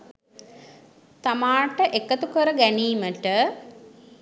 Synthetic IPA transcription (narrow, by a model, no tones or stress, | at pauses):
t̪amaːʈəʔekət̪ukəɾəɡæniːməʈə